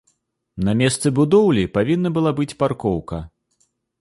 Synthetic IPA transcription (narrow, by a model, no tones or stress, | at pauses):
nɐmʲɛst̪sɨbud̪ɔwlʲipavʲinːɐbɨlˠabɨt͡sʲparkɔwkɐ